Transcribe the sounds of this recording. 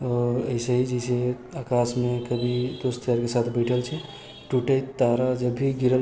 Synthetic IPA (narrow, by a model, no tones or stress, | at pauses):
ɔːɾəɪsəɦid͡ʒəse | akasmekəbʱid̪ost̪əəɾkesat̪ʰbəɪʈʰəlt͡ʃʰɛ | ʈuʈəjt̪ːaɾad͡ʒəbʱiɡiɾəl